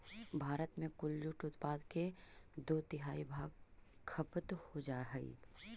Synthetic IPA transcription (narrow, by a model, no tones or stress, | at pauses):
bʱaːɾət̪mẽkʊld͡ʒʊʈʊt̪paːd̪ked̪oːd̪ɪɦaːibʱaːɡ̚kʰɐpt̪hod͡ʒaːɦɛḭ